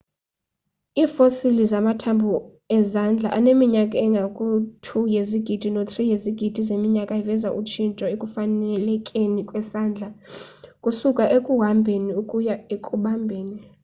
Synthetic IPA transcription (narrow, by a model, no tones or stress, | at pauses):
iːfosilizamatʰambʱu | ɛzand͡ɮʱa̰ʔanemiɲakʼaɛŋɡʱakʼutʰujeziɡ̥ʱid̥ʱinot̪ʰʼrijeziɡ̥ʱid̥ʱizemiɲakʼaivɛzaʔut͡ʃʰint͡ʃʼɔekʼufanɛlɛkʼenikʼwɛsaːnd͡ɮʱakʼusukʼaʔekʼuɦambʱeniukʼujaekʼuɓambʱeːni